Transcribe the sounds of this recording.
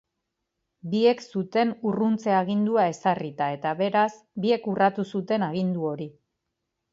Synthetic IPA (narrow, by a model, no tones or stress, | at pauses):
bie̞ksut̪e̞nurunt͡se̞aɣ̞ind̪uae̞sarit̪ae̞t̪aβe̞ɾas | bie̞kurat̪usut̪e̞naɣ̞ind̪uo̞ɾi